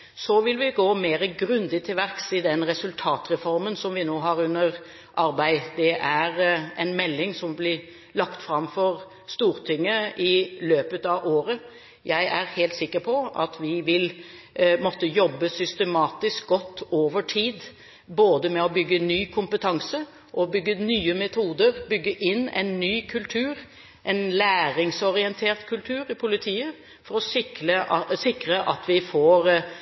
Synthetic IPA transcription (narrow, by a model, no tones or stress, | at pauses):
sɔʋɪlʋɪɡoːmeːɾəɡɾʉnd̪ɪt̪ʰɪlʋæɾksɪd̪ɛnɾɛsʉlt̪ʰɑːt̪ɾɛfɔɾmənsɔmʋɪnoːɦɑɾʉnːəɾ | ʔɑɾbæɪd̪ɛʔæɾɛnmɛlːɪŋsɔmblɪ | lɑkt̪fɾɑmfɔɾ | st̪uːɾt̪ʰʏŋːəɪløːpət̪ɑʋʔoːɾə | jæɪʔæɾheːlt̪sɪkːəɾpʰɔɑ̰t̪ʰʋɪʋɪl | mɔt̪ːəjɔbːəsʏst̪ɛmɑːt̪ɪsk̚ɡɔt̪ːoːʋəʈʰiːd̪ | boːd̪əmɛɔbʏɡːənyːkʰʊmpət̪ʰɑŋsə | ʔɔbʏɡːənyːəmɛt̪ʰuːd̪əɾbʏɡːəʔɪnːɛ̰ɪnːyːkʰʉlt̪ʰʉːɾ | ʔɛɪnlæːɾɪŋsɔɾɪɛnt̪ʰeːʁt̪kʰʉlt̪ʰʉːɾɪpʰʊlɪt̪ʰiːə | fɔɾɔsɪkəsɪkɾəʔɑt̪ʋɪfoːɾ